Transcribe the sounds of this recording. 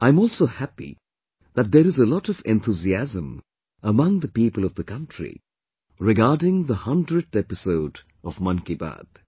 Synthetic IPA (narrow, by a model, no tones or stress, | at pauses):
ãɪ̃mɔːlˠsoʊhæpḭ | ðæt̚d̪əɾɨzəlɔtʌvɛ̃nθʰuziæzə̃m | əmʌ̃ŋðəpiːpəlˠʌvðəkʌ̃ntɹ̥ḭ | ɹɪɡaːdɪ̃ŋðəhʌ̃ndɹɨdɛpɪsoʊd | ɔvmʌ̃nkiba̰d̪̥